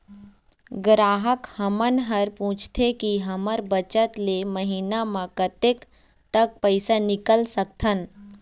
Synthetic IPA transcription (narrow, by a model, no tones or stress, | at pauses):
ɡɾaːɦəkhəmənɦəɾpũːt͡ʃʰt̪ʰekiɦəməɾbət͡ʃət̪leməɦiːnamãkət̪ek | t̪ək̚pəɪsanɪkəlsək̚t̪ʰən